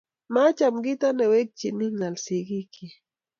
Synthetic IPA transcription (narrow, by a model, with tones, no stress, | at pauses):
ma˦t͡ʃa˨mɡi˦t̪a˦ne˨we˦k̚t͡ʃi˨mi˦ŋa˨lsi˨ɡi˦kʰi˨